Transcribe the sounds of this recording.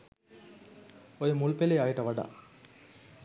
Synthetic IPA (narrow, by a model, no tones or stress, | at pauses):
oɾumuɭpelejaːjiʈːɐʋɐɖa̰